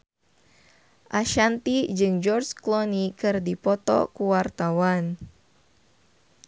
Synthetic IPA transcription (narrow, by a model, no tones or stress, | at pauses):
ʔaʃant̪id͡ʒɨŋd͡ʒɔrd͡ʒklɔnikɨrdipɔt̪ɔ̰kuwart̪awan